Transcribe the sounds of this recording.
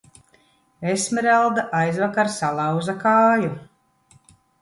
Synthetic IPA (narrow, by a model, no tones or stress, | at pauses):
esmɛɾalˠd̪aʔajzvakaɾsalˠawzakaːju